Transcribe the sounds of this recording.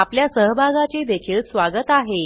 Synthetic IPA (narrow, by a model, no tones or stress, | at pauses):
apljasəɦbʱaɡat͡sed̪ekʰiːɭsʋaɡət̪aɦe